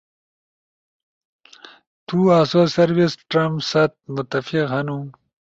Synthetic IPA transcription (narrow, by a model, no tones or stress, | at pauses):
t̪uasosɐɾwisʈɾɐmsɐt̪̚mʊt̪ɐfiqhɐnu